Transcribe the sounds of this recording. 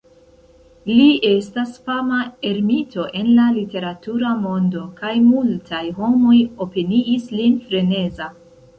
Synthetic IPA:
lie̞stasfamae̞ɾmitʰo̞ʔe̞nlalite̞ɾatuɾamo̞ndo̞kajmultʰajɦo̞mo̞jo̞peniʔislinfɾe̞ne̞za

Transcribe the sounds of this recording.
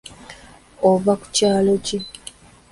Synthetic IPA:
oβaku̥caːlo̞ce

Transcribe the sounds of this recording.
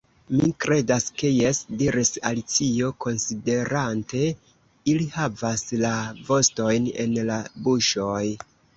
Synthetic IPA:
mikɾe̞daske̞je̞sdiɾisalit͡sio̞ko̞nside̞ɾante̞ | ilihavaslavo̞sto̞jne̞̰nlabuʃo̞j

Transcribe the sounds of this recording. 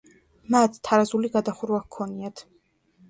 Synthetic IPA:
mat̪ʰt̪ʰːaɾazuliɡad̪aχuɾwakkʰːɔniat̪ʰ

